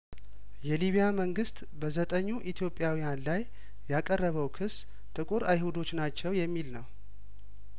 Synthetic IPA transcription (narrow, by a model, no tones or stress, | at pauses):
jɛliβijaməŋɡɨst̪ʼbəzət̪ʼəɲːuʔit̪ʰjo̞pʼːjawijanlajː | akʼərːəβəwkʰɨs | t̪ʼɨkʼuɾajhud̪o̞t͡ʃːnat͡ʃːɛwjɛmːilnəw